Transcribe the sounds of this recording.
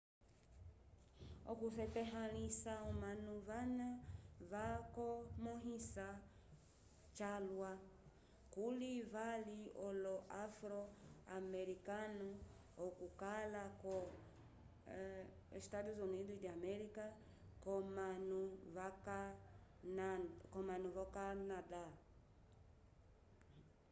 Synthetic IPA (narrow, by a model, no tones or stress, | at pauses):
ɔ̰kuθɛtɛɦalisaɔmanuvanavakɔmɔɦisa | t͡ʃalwa | kulivaliɔlɔʔafɾɔamɛɾikanɔ | ɔkukalakɔ | ɛstaduzɔnidudamɛɾika | kɔmanuvakanakɔmanuvakanada